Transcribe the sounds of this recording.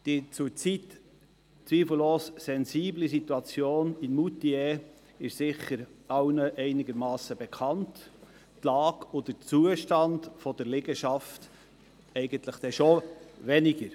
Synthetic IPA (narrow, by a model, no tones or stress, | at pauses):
d̥it͡suɾt͡sit | t͡sʋiːfəl̩loːssɛnziːblisit̪uɑt͡sjoːnɪnmutiɛ | ɪʃsɪχəɾɑwnəʔɛɪnɪɡəɾmɑːsəbɛkʰɑnt | lɑːɡ̥od̥ət͡suəʃtɑndfɔd̥əɾleɡəʃɑft | ɛɪɡənt̪ləχd̪̥ɛʃoʋɛnɪɡəɾ